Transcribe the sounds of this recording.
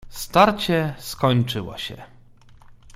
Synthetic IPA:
st̪aɾt͡ɕɛskɔɲt͡ʂɘwɔ̰ɕɛ̰

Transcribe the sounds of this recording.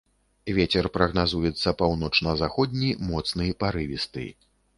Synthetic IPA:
vʲet͡sʲɛrpɾɐɣnazujɛt̪sːɐpawnɔt͡ʂnɐzaxɔd̪ʲnʲimɔt̪snɨjɐpaɾɨvʲist̪ɨ̰

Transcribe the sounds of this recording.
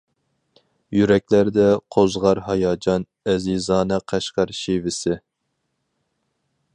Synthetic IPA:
jyɾɛk̚ʲlæɾd̪ɛqʰozʁɑɾɦɑjɑːd͡ʒɑn | ɛzizɑːnɛqʰæʃqɑɾʃivɪsɪ

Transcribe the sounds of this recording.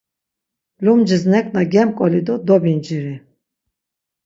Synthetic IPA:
lumd͡ʒiznɛkʼnaɡɛmkʼɔlid̪ud̪ɔbind͡ʒiɾi

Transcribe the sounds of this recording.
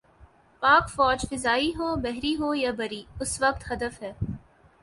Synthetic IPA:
paːkfɔːd͡ʒfɪzaːiɦoːbɛɦɾiɦoːjaːbɐɾiʊsʋɐk̚t̪ɦɐd̪əfɦɛː

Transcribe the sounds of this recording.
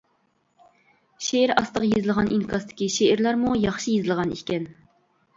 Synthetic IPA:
ʃeiɾɑ̰st̪əqjezɨlˠʁɑnʔinkʰɑst̪ʰɪ̥kʲiʃeiɾlˠæɾmujɑχʃijezɨlˠʁɑnḭkʲɛn

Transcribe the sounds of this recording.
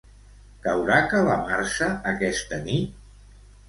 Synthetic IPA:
kəwɾakələmaɾʃəːkɛst̪ənit̪̚

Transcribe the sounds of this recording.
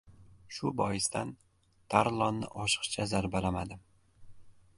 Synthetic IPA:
ʃʊbɒjɪst̪an | t̪ʰaɾlˠɒnːɪ̰ʔɒʃɨ̥qt͡ʃʰazaɾbalamad̪ɪ

